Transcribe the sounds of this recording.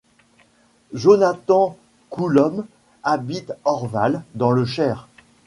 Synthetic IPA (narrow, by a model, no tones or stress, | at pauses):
ʒonat̪ɑ̃ | kʰulɔm | abit̪ɔʁvald̪ɑ̃ləʃɛːʁ